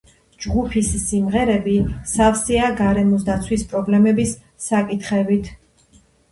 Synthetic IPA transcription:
d͡ʒɡupʰissimʁɛɾɛbisafsiaɡaɾɛmɔs̬d̪at̪sʰwispʼɾɔblɛmɛbisː | akʼit̪ʰχɛbit̪ʰ

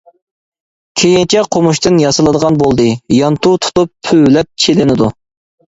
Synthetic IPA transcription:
kʲʰejint͡ʃʰɛqʰomuʃt̪ɨnjɑsɨlˠɨd̪əʁɑnbolˠd̪ɨjɑnt̪ut̪ʰu̥t̪upʰylɛp̚t͡ʃʰelɪnɪd̪u

